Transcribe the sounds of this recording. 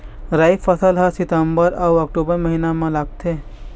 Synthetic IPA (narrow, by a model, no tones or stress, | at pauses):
ɾaːjfʰəsəlɦãsɪt̪əmbəɾɐwɐk̚ʈuːbəɾmɐɦinamãlaɡ̚t̪ʰeː